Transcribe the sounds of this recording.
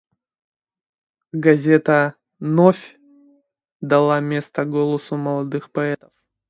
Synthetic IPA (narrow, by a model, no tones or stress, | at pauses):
ɡɐzʲet̪ə | nofʲ | d̪ɐlˠamʲe̞st̪əɡolˠəsʊməlˠɐd̪ɨxpɐɛt̪ə̥f